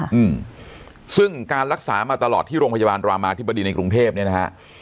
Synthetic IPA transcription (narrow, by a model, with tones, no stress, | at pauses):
ʔɯː˧m | sɯ˥˩ŋkaː˧nɾa˦˥k̚saː˩˦maː˧t̪a˧lɔː˨˩t̪ʰːiː˥˩ɾoː˧ŋpʰjaː˧baː˧nɾwaː˧maː˧a˧t̪̚ʰba˧diː˧na˧jkɾu˧ŋt̪ʰeː˥˩p̚ni˥˩ɐna˦˥kʰa̰˦˥ʔ